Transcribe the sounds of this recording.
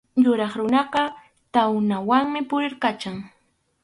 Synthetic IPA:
jʊɾɑχɾʊnɑɢɑ | t̪awnawaŋmɪpʊɾɪɾkat͡ʃaŋ

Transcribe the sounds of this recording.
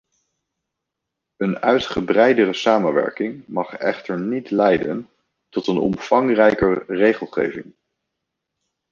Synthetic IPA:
ənœɥtχəbrɛjdərəsaːmənʋɛ̰ɹkɪŋmɑχɛ̰χtəɹnitlɛjdən | tɔtənɔ̰mfɑŋrɛjkəɹrejχəlˠχḛjvɪŋ

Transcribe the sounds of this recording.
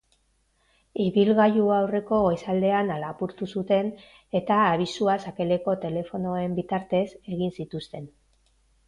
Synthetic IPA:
iβilɣajuawre̞ko̞ɣojsald̪e̞analapuɾt̪usut̪e̞n | e̞t̪aːβisuasake̞le̞ko̞t̪e̞le̞fo̞no̞e̞mbit̪aɾt̪e̞se̞ɣinsit̪ust̪e̞n

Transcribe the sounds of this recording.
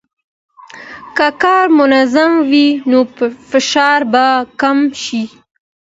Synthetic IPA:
kakɑɾmʊnazamwinofɪʃɑɾbakamʃi

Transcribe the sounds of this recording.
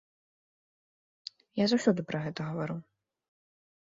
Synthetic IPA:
jazawsʲɔd̪ɨpɾɐɣɛt̪ɐɣɐvaɾɨw

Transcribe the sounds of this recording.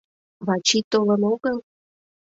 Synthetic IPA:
βɑt͡ɕit̪olə̆noɣəl

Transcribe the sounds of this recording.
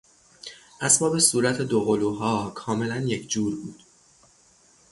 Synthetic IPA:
ʔæsbɒːbe̞suːɾæt̪ʰe̞d̪oɣoluːɦɒːkʰɒːme̞lænjecʰd͡ʒuːɾbuːd̪̥

